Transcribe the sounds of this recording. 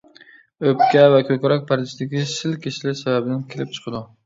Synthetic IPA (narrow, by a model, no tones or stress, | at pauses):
ɵp̚kʲavakʲʰɵkʲɾɒk̚ʲpʰaɾd̪ɪʃd̪ɪɡʲɪʃɪlkʲeʃɪlɪsababɪd̪ankʲʰelɪp̚t͡ʃʰɨ̥qʰɨd̪ʊ